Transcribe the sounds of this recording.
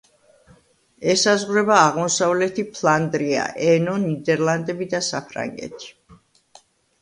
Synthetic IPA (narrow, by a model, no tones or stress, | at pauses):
ɛsazʁɾɛbaːʁmɔsavlɛt̪ʰipʰlˠand̪ɾia̰ʔɛnɔnid̪ɛɾlˠand̪ɛbid̪asapʰɾa̰ŋɡɛ̰t̪ʰi̥